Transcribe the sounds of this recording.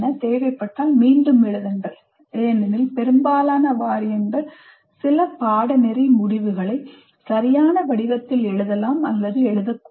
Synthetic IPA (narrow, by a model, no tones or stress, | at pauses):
nɐt̪eːʋɐɪpːɐʈːaːlmiːɳɖɯmɛɻɯðɐndrɐ | eːnɐnɪlpɛɾɯmbaːlaːnɐʋaːɾɪjɐndɐ | sɪlɐpaːɽɐnɛɾɐmʊɽɪʋɯɣɐɭɐɪ | sɐɾɪjaːnɐʋɐɽɪʋɐt̪ːɪlɛɻɯðɐlaːmɐlːɐðɯɛɻɯðɐkː